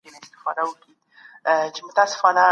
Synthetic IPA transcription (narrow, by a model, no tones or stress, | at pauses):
enaɪst̪ɪ̥fɑd̪awəki | t͡ʃemʊt̪asɪ̥fɑna